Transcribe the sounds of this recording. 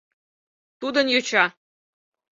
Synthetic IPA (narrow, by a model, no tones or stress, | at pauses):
t̪ud̪ənjot͡ɕɑ